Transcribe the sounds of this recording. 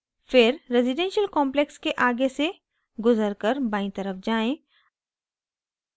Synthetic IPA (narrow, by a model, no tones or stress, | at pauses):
fɪɾɾɛːzɪɖɛ̃nʃəlkɔ̃ːmplekskeʔaːɡese | ɡʊzəɾkəɾbãːĩt̪əɾəfd͡ʒaːẽː